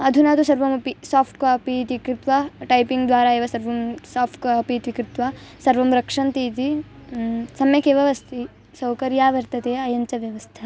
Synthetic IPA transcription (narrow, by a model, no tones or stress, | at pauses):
ɐd̪ʱunaːt̪usɐɾʋɐmɐpisaːpʰʈkoɐpit̪ʋikɾit̪ʋɐʈɐjpiŋɡd̪ʋaːɾaːeːʋɐsɐɾʋɐmsaːpʰʈkoɐpit̪ʋikɾɪt̪ʋɐsɐɾʋɐmɾɐkʂɐnt̪iːt̪̬i | sɐmjɐkeːʋɐʋɐst̪ʰi | sɐwkɐɾjaːʋɐɾt̪ɐt̪eːɐjɐɲt͡ʃɐʋjɐʋɐst̪ʰɐ